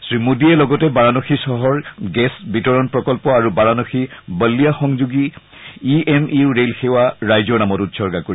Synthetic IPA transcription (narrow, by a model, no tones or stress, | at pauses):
sɹimudiɛlɔɡɔtɛbaɹanoxisɔɦɔɹɡɛsbitɔɹɔnpɹɔkɔlpɔaɹubaɹanoxibəlːijaxɔŋzuɡi | iɛmiɹɹelxewaɹajzɔɹnamɔtutsɔɹɡakoɹi